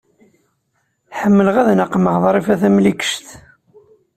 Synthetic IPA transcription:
ħəmːələʁæðnəqməʁðˤɾˤifæθæmlikə̥ʃt̪

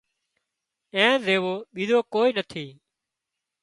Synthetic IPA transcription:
ẽːzeːʋoːɓiːzoːkoːiːnət̪ʰiː

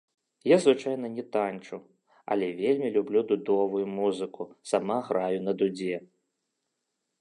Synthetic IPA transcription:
jazvɨt͡ʂajnɐnʲɛt̪anʲt͡ʂu | ɐ̰lʲɛvʲelʲmʲilʲublʲud̪ud̪ɔvujumuzɨkusamaɣɾajʊnɐd̪ud͡zʲɛ

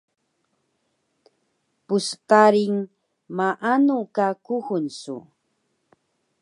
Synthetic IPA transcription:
pust̪aɾiŋ | maʔanukakuxʊnsṵ

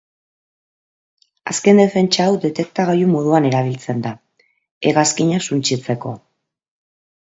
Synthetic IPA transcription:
aske̞nd̪e̞fe̞nt͡ʃaːwd̪e̞t̪e̞k̚t̪aɣajumo̞ð̞uane̞ɾaβ̞ilt͡se̞nd̪a | eɣaskiɲasunt͡ʃit͡se̞ko̞̰

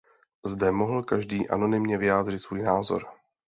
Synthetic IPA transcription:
zdɛmo̞ɦl̩kaʒdiːʔa̰no̞nɪmɲɛvɪjaːd̪r̝ɪt̪svuːjnaːzo̞̰ɾ

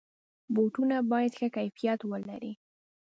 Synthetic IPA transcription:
boʈunabɑjad̪xakajfijat̪wəlaɾi

